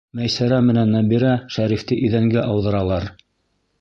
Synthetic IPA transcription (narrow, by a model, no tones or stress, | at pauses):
mæjsæɾæmɘ̆nænːæbiɾæʃæɾift̪ɘʔiðæŋɡæʔɑwðɤ̆ɾɑlˠɑɾ